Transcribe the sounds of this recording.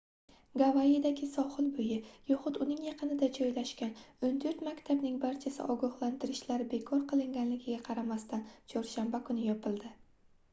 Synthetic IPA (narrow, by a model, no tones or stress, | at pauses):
ɡavaad̪aɡʲɪsɒχɨlbʊjɪjɒχʊt̪ʊnɪŋjɑqʰɨnɪd̪ad͡ʒɒjlaʃkʲanʊnd̪ʰoɾt̪makʲt̪ʰabnɪŋbaɾt͡ʃʰasɪ̰ʔɒɡɒhlˠant̪ʰɪɾɪʃlaɾbe̞kʰɒɾqʰɨlˠɪŋɡʲanlɪɡʲɪɡʲaqʰɑɾamast̪ant͡ʃʰɒɾʃambakʰʊnɪjɒpʰɪlˠd̪ɪ